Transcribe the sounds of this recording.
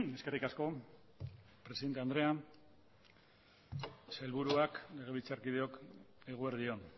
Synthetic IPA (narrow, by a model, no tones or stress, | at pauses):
e̞ske̞rikasko̞ | pɾe̞siðent̪eand̪ɾe̞an | selβuɾuakle̞ɣ̞e̞it͡saɾkiðeo̞k | eɣ̞oeɾðio̞n